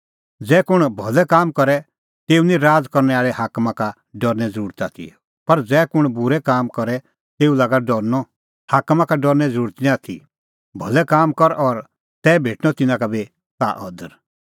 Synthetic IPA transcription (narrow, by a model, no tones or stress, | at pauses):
d͡zɛːkʊɽ̃bʱɔlɛkaːmkɔɾɛ | t̪eːunĩɾaːd͡zkɔɾnɛaːɭɛhaːkmaka | ɖɔɾnɛd͡zəɾuːɾət̪a̰t̪ʰḭ | pɐɾd͡zɛːkʊɽ̃bʊɾɛkaːmkɔɾɛ | t̪eːulaːɡaɖɔɾnɔ | haːkmakaɖɔɾnɛd͡zəɾuːɾt̪nĩaːt̪ʰḭ | bʱɔlɛkaːmkɔɾʔɔɾ | t̪ɛːbʱeːʈnɔt̪ɪnãkabi | sa̰ːʔɔd̪əɾ